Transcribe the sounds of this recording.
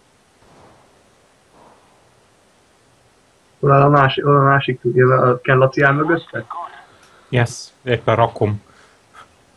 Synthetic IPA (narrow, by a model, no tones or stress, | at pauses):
olɛlɒaːʃolɒmaːʃikjøvɛɒkɛnlːɒt̪iaːmøɡøt̪ːɛk | jɛseːpːɛnɾɒkom